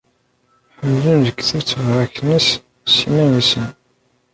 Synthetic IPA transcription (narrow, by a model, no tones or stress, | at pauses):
ħəmːlənðəkːθəɾt͡sːvɾæknis | simænisən